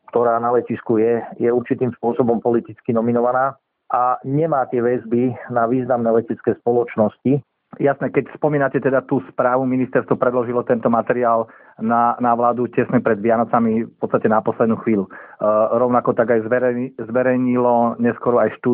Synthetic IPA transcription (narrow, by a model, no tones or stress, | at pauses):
kt̪ɔɾaːnalɛciskujɛjɛuɾt͡ʃit̪iːmspʊɔsɔbɔmpɔlit̪it͡skinɔminɔʋanaː | ʔaɲɛmaːt̪ɪɛʋɛzbinaʋiːznamnɛːlɛcɛt͡skɛːspɔlɔt͡ʃnɔsci | jasnɛkɛcspɔmiːnacɛt̪ɛd̪at̪uːspɾaːʋuminist̪ɛɾst̪ʋɔpɾɛd̪lɔʒilɔt̪ɛnt̪ɔmat̪ɛɾiaːl | nanaʋlaːd̪ucɛsnɛpɾɛd̪ʋɪanɔt͡samifpɔt̪t͡st̪acɛnapɔslɛd̪nuːxʋiːluɾɔʊnakɔt̪aɡajzʋɛɾɛzʋɛɾɛjɲilɔɲɛskɔɾɔajʃt̪uː